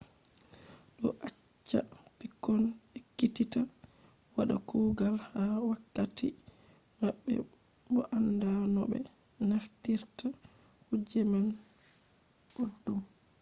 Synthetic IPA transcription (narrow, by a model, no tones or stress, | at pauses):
ɗɔ̰ʔa | t͡ʃːa̰ | pikːɔn | ikːitita | waɗa̰kuɡalhawakːati | maɓːɛ̰ | ɓɔʔandanɔbɛ̰ | naftiɾta | hud͡ʒɛman | ɓudːum